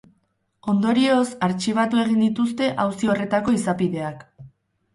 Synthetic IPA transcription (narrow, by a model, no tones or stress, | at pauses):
o̞nd̪o̞ɾio̞saɾt͡ʃiβ̞at̪ue̞ɣ̞ind̪it̪ust̪e̞ʔawsio̞re̞t̪ako̞isapiðe̞ak